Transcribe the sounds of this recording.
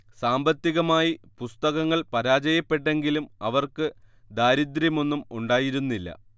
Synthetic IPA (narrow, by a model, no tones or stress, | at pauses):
saːmbɐt̪ːiɣɐmaːjipust̪ɐɣɐŋːɐɭpɐɾaːd͡ʑɐjɐpːe̞ʈːe̞ŋɡilumɐʋɐrkɨ | d̪aːɾid̪ɾjɐmo̞nːumuɳɖaːjiɾunːilːɐ̰